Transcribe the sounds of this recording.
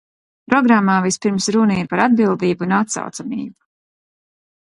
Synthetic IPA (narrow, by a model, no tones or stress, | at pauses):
pɾɔɡɾamːaːvispiɾmsɾunɛjpaɾad̪̚bilˠd̪iːbunat̪sa̰wt̪samiːbu̥